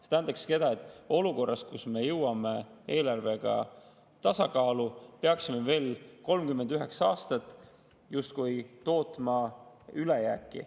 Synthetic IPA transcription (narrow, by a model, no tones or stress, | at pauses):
set̪æːnd̪ɑksked̪ɑe̞t̪ːˑo̞luko̞rːɑst̪̚kusme̞jɤwɑme̞e̞ːlɑrve̞ɡ̥ɑ̰ | t̪ɑsɑkɑːlupeɑksimeve̞ːlko̞lmkymːend̪yɦe̞ksɑːst̪ɑt̪ːˑ | just̪̚kujt̪o̞ːt̪ˑmɑylejæːkˑːḭ